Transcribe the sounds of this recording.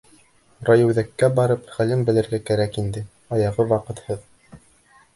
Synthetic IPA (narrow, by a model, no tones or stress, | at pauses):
rɑjɘ̆wðækːæbɑɾɤpχælɘmbɘ̆lɘ̆ɾɡækæɾækind̪ɘ | ɑjɑʁɤwɑqɤ̆t̪hɤð